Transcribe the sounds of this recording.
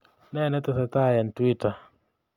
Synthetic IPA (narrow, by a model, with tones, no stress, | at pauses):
nɛ˦nɛ˦t̪ɛsat̪a˦ja˨ntwita